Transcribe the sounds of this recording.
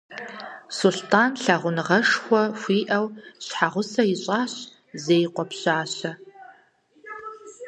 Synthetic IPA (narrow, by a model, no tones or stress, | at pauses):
sʊɬtʰaːnɬaʁʷʊnɨʁɐʂxʷɔfʷiːʔɐwɕħaʁʷʊsɐɪɕʼaːɕ | zejqʷɔpɕaːɕɐ